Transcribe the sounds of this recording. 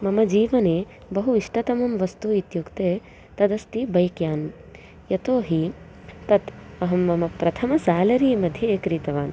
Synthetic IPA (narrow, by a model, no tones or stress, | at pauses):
mɐmɐd͡ʒiːʋɐneː | bɐɦuiʂʈɐt̪ɐmɐmʋɐst̪uit̪jukt̪eː | t̪ɐd̪ɐst̪ibɐjkjaːn | jɐt̪oːɦi | t̪ɐt̪ɐɦɐmːɐmɐpɾɐt̪ʰɐmɐsaːlɐɾiːmɐd̪ʱjɐːkɾit̪ɐʋaːn